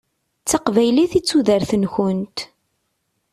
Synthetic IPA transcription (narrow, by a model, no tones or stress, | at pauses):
t͡sːaqvæjliθit͡sːuðəɾθənçʊnt̪